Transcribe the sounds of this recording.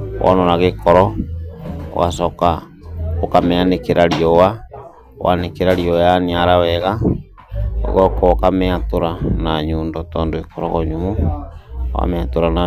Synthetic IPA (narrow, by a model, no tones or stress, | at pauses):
wʔɔ̰nɔɾaɣekɔɾɔ | o̰ɣasɔka | okameanekeɾaɾiɔwa | wa̰nekeɾaɾiɔjaniaɾawɛɣa̰ | ɣɔkɔokamɛatoɾanaɲoːndɔtɔːndoekɔɾɔɣɔɲomo | wa̰mɛatoɾana